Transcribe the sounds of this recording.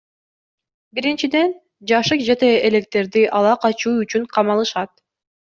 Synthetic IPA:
biɾint͡ʃid̪e̞n | d͡ʒɑʃɯqd͡ʒe̞t̪e̞ele̞k̚t̪e̞ɾd̪iʔɑlˠɑqɑt͡ʃuːyt͡ʃyɴqʰɑmɑlˠɯʃɑt̪̚

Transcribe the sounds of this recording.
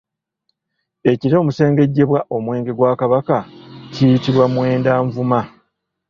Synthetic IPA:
e̞ciɾo̞ːmuse̞ːŋɡe̞ɟːe̞βwaʔo̞mwe̞ːŋɡe̞ɡwaːkaβakacijitiβwamwe̞ːndaːɱvuma

